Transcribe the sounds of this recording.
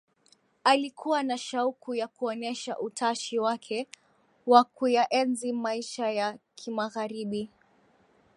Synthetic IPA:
alikʰuwanaʃaukujakuɔnɛʃa̰ʔutʰaʃiwakʰɛ | wakujaʔɛnzimaiʃajakʰimaɣaɾiɓi

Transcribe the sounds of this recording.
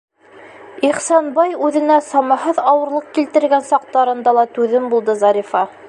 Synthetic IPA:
iχsɑnbɑjʉðɘ̆næsɑmɑɦɤðɑwɤ̆ɾlˠɤq̚kilt̪ɘ̆ɾɡænsɑq̚t̪ɑɾɤ̆nd̪ɑlˠɑt̪ʉðɘmbulˠd̪ɤzɑɾifɑ

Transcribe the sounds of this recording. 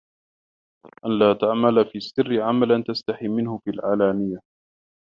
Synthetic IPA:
ʔanlaːt̪aʕmalafiːsːɪrːɪʕamalant̪ast̪aħimːɪnhʊfiːlʕaːlaːnɪjːa

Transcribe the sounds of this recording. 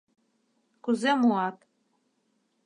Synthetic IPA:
kuzemuɑt̪

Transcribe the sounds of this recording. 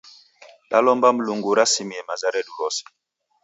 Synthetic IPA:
ɗa̰lɔmbam̩luŋɡuɾasimiɛmazaɾɛduɾɔsi̥

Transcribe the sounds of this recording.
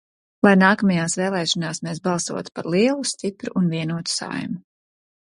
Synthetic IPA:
lˠajnaːkɐmajaːsvɛːlˠɛːʃɔnaːsmeːs̬bɑlˠsṵɔt̪u̥paɾlˠiɛlˠust̪ipɾuʔːnviɛnuɔt̪u̥sa̰jmu

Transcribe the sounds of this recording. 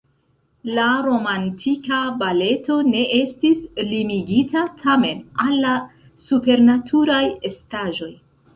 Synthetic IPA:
laɾo̞mantʰikabale̞to̞ne̞ʔe̞stislimiɡitatʰame̞nalːa | supe̞ɾnatʰuɾajestaʒo̞j

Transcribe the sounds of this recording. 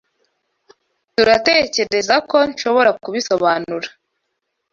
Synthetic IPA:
tuɾate̞ːce̞ɾe̞zako̞nʃo̞βo̞ɾakuβiso̞βaːnuɾḁ

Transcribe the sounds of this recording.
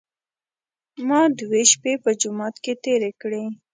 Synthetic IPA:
mɑd̪weʃpepəd͡ʒʊmɑt̪ket̪eɾekɽe

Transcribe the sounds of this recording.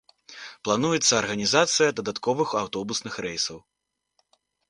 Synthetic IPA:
plˠanujɛt̪sːɐːrɣɐnʲizat̪sɨjɐd̪ɐd̪at̪kɔvɨxawt̪ɔbusnɨxɾɛjsɐw

